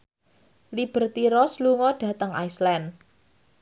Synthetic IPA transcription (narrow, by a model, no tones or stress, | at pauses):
lib̥ə̤rt̪iɾɔsluŋɔɖ̥ä̤t̪əŋa̰jslɛn